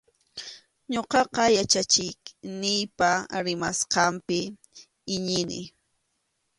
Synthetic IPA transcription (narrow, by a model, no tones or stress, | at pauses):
ɲoqɑqɑjat͡ʃat͡ʃɪknɪjpaɾɪmasqɑmpɪ | ɪɲɪnɪ̰